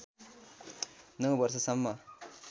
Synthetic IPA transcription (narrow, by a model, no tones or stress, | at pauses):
nʌwbʌrsʌsʌmːʌ